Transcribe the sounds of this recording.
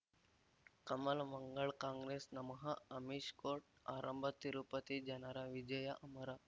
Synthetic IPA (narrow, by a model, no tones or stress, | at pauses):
kəməlməŋɡəɭkãŋɡɾesnɐmɦaɐmiʃkoʈ̚a̰ɾʔəmbʱət̪iɾupət̪id͡ʒɐnaɾaʋid͡ʑəjaʔɐməɾa